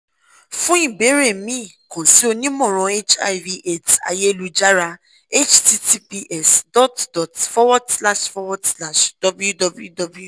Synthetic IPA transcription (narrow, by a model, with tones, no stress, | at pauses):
fũ˦ĩ˦˨be˨˦ɾe˦˨mĩ˦˨kɔ̃˨si˨˦o˧nĩ˦mɔ̃˦˨ɾ̃ɔ̃˧e˦t͡ʃa̰˧i˨vi˧ʔe˦˨ta̰˧je˦lu˧d͡ʒa˦ɾa˧ | e˦t͡ʃti˧ti˧pi˧ʔɛ˦˨sdɔ˦tdɔ˨tfɔ˦wa˦dsla˦ʃfɔ˧wɔ˦dsla˦˨ʃd̥ɔ˦bu˦ju˦dɔ˧bu˦ju˦dɔ˧bu˦ju˦˨